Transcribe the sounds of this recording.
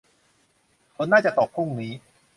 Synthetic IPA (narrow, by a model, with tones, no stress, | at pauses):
kʰo˧˥nːaː˥˩t͡ɕa˨˩t̪ɔː˨˩pʰɾu˥˩ŋniː˦˥